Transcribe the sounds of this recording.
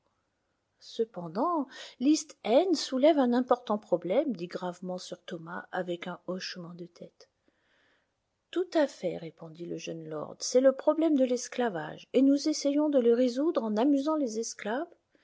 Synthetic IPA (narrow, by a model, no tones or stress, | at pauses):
səpɑ̃d̪ɑ̃list̪ɛnsulɛvɛ̃nɛ̃pɔʁt̪ɑ̃pχɔblɛmd̪iɡʁavmɑ̃syʁt̪ɔmaʔavɛkɛ̃ɔʃmɑ̃d̪ət̪ʰɛt̪ | t̪ut̪afɛʁepɔ̃d̪iləʒənlɔ̰ʁd̪sɛləpχɔblɛmd̪əlɛsklava̰ʒenuzesejɔ̃d̪ələʁezud̪ʁɑ̃namyzɑ̃lezɛsklav